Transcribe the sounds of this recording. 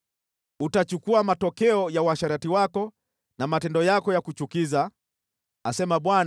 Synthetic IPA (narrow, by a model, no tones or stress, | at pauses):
utat͡ʃukuamatɔkɛɔjawaʃaɾatiwakɔ | namatɛndɔjakɔjakut͡ʃukiza | asɛmaɓwan